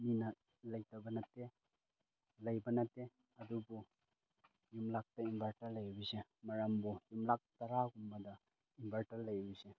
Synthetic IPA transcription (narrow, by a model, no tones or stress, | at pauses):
minɐ | lɐjtabɐnɐte | lɐjbɐnɐte | ɐdubu | jumlak̚tɐinbʱaɾtaɾlɐjbisemɐɾambujumlak̚tɐɾaɡumbɐdɐ | inbʱaɾtaɾlɐjbise